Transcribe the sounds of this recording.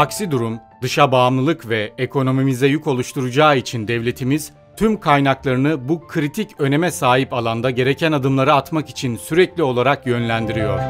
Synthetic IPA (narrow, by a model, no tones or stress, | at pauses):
aksid̪uɾum | d̪ɯʃabaːmlˠɯlˠɯkvɛekʰo̞no̞mimizɛjuko̞lˠuʃt̪ʰuɾud͡ʒaːit͡ʃʰind̪ɛvlʲe̞t̪ʰimiz̥ | t̪ʰymkʰajnaklˠaɾɯnɯbukʰɾit̪ʰicø̞ne̞mɛsaːɦipalˠand̪aɟe̞ɾe̞cʰænad̪ɯmlˠaɾɯat̪makit͡ʃʰinsyɾɛclʲio̞lˠaɾakjø̞nlʲænd̪iɾijo̞ɾ̥